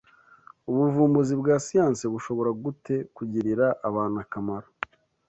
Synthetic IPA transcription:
uβuvuːmbuzibɡaːsijaːnsiβuʃo̞βo̞ɾaɡute̞kuɟiɾiɾaʔaβaːnakamaɾa

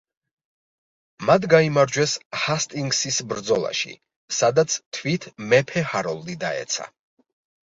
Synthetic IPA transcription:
mad̪ɡaimaɾd͡ʒwɛshast̪ʼiŋɡsisbɾd̪zɔlˠa̰ʃḭ | sad̪at̪sʰt̪ʰvit̪ʰmɛpʰɛhaɾɔlˠd̪id̪aɛ̰t̪sʰa̰

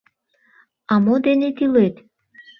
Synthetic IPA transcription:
ɑmod̪enet̪ilet̪

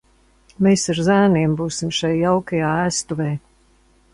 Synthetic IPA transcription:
meːsaɾzæːniɛmbuːsimʃajːawkajaːæːst̪uvɛː

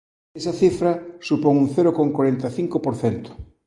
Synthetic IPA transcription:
esɐθifɾɐsupoŋuŋθeɾokoŋkwaɾent̪ɐθiŋkopoɾθent̪ʊ̥

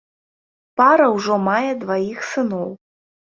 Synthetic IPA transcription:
paɾɐwʐɔmajɛd̪vajixsɨnɔw

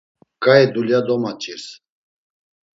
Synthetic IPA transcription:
kʼaɛd̪uljad̪ɔmat͡ʃʼiɾs

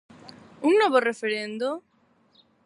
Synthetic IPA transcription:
uŋːwɔβorefeɾẽnd̪o

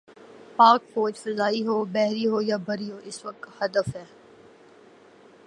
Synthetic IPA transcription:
paːk̚poːt͡ʃfɐzaːiɦoːbɛɦɾiɦoːjabʱɐɾiɦoːʔɪsʋɐk̚t̪hɐd̪əfɦɛː

